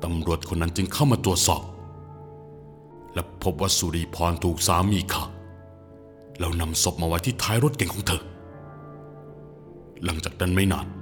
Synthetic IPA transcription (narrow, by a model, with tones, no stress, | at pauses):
t̪a˧mɾu˨˩ət̪̚kʰo˧nːa˦˥nt͡ɕɯ˧ŋkʰa˥˩wmaː˧t̪ɾu˨˩ət̪̚sɔ̰ː˨˩p̚ | lɛ˦˥wpʰo˦˥p̚waː˥˩su˧ɾiː˧˩pʰɔː˧nt̪ʰuː˨˩k̚saː˨˦mːiː˧kʰaː˨˩ | lɛ˦˥wna˧mso˨˦˩p̚maː˧wa˧˥jt̪ʰiː˥˩t̪ʰaː˦˥jɾo˥t̪̚ke˨˩ŋkʰɔː˨˦ŋt̪ʰɤ˧ | la˩˦ŋt͡ɕaː˨˩k̚nʰa˥˩nma˥˩jna̰ː˥˩n̚